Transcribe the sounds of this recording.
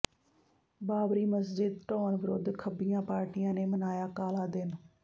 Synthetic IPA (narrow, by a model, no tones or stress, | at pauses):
baːbɾiːməsd͡ʒɪd̪̚ʈɔːnʋəɾo̰ːd̪kʰəbɪjãːpaːɾʈijãːneːmənaːjaːkaːlaːd̪ɪn